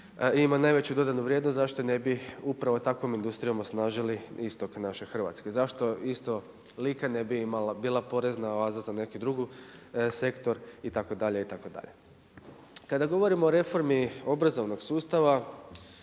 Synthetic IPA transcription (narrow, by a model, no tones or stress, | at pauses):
imanajʋe̞t͡ɕud̪o̞d̪anuʋɾjed̪nost̪zaʃt̪o̞ne̞biupɾaʋo̞t̪akʋo̞mind̪ust̪ɾijo̞mosnaːʒiliist̪o̞knaʃe̞xrʋa̰t̪ske̞zaʃt̪o̞ist̪o̞ | likane̞biimalabiːlˠapo̞ɾe̞znaʋaːzazane̞kid̪ɾuɡuse̞kt̪o̞ɾit̪ako̞d̪aʎe̞it̪ako̞d̪a̰ʎe̞ | kad̪aɡo̞ʋo̞ɾimoːɾe̞fo̞ɾmio̞bɾazo̞ʋno̞ɡsuːst̪aʋa